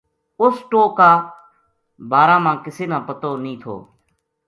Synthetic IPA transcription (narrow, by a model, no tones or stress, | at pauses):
ʊsʈoːkaː | baːɾãːmãːkɪseːnãːpət̪oːnĩːt̪ʰo̰ː